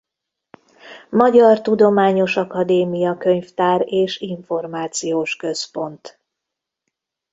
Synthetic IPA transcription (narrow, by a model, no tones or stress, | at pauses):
mɒɟɒrt̪ud̪o̞maːɲo̞ʃɒkɒd̪eːmijɒkøɲft̪aːɾeːʃiɱfo̞rmaːt̪sijoːʃkø̞spo̞nt̪